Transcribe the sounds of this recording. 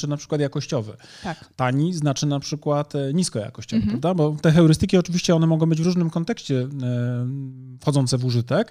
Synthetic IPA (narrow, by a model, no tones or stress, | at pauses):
ɘnapʂɘ̥kwat̪jakɔɕt͡ɕɔvɛ̰t̪aɲiznat͡ʂɘnapʂɘkwat̪ɲiskɔja̰kɔɕt͡ɕɔvɛppɾavd̪abɔt̪ɛxɛɾɘst̪ɘkʲiɔt͡ʂɘvʲiɕt͡ɕɛɔnɛmɔɡɔw̃bɘd͡ʑvɾuʐnɘmkɔnt̪ɛkɕt͡ɕɛ | fxɔd̪ɔnt̪sɛvuʐɘt̪ɛk